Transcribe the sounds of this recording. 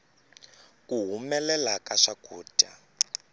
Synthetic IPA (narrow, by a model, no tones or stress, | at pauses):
kʼuɦumɛlɛlakaʂakuːtʼa